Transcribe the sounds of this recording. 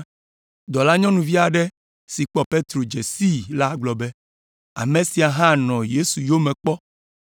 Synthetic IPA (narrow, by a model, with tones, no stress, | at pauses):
d̪ɔ˨la˦ɲɔ̃˦nũ˨vi˦a˨ɖɛ˦ | si˨k͡pɔ˦pe˦t̪ɾo˨d͡ʒe˨si˦la˦ɡ͡blɔ˨bɛ˦ | a̰˨mẽ˨si˨a˨ɦã˦nɔ̃˨je˦su˨jo˦mɛ̃˨k͡pɔ˦